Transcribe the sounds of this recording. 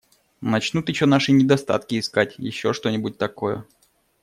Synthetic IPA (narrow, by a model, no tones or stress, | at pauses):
nɐt͡ɕnut̪jɪɕːonaʂɨnʲɪd̪ɐst̪a̰t̪kʲɪːskatʲjɪ̰ɕːo̞ʂt̪o̞nʲɪbʊt̚ʲt̪ɐkojə̰